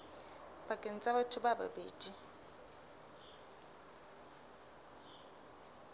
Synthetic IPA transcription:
bakʼen̩t͡sʼabatʰʊbaba̰bḛːdi

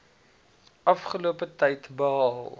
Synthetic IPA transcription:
ʔɐfχəluəpətɛjtbəɦɑlˠ

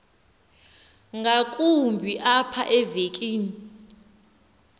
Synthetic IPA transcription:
ŋɡʱakʼumbʱiʔapʰaʔɛvek̬ʼiːni

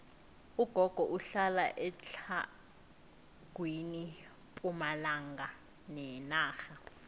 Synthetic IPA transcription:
uɡ̥ʱɔɡ̥ʱɔʔuɬalaʔɛt͡ɬʰa | ɡ̥ʱwini | pʼumalaŋɡʱa | nɛnaːxa

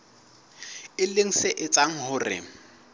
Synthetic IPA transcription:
ɪleŋ̩sɪʔɪt͡sʼaŋ̩hʊrɪ̰

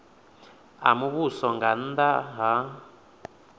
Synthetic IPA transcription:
a̰muβusɔŋɡan̩d̪aɦa

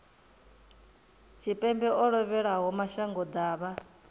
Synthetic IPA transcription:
t͡ʃʰipʼɛmbɛʔɔɺɔβɛɺaɦɔmaʃaŋɡɔd̪aːβa

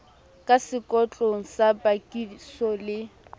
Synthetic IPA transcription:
kʼasɪkʼɔt͡ɬʼoŋ̩sabakʼisɔlɪ

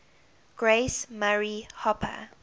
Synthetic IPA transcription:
ɡ̥ɹesmaɹihɔpʰə̰

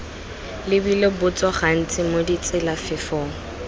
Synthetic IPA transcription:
lɪbilɪbʊt͡swɔχan̩t͡sʼɪmodit͡sʼɪlafɪfɔːŋ̩

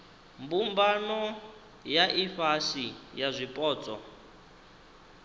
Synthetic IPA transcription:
mbumbanɔ | jaʔifaʃijazʷipʼɔːt͡sʼɔ̰

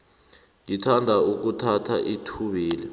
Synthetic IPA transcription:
jitʰandʱauk̬utʰatʰa̰ʔitʰuɓiːlɛ

